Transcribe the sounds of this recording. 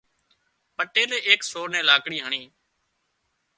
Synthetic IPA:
pəʈeːleːʔeːksoːɾnẽːlaːkɽiːɦəɳiː

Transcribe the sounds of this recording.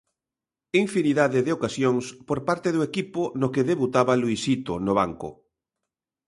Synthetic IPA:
iɱfiniðaðeðɪokasjoŋspoɾpaɾt̪eðoekipʊnokeðeβut̪aβaluisit̪o̰noβaŋkʊ̰

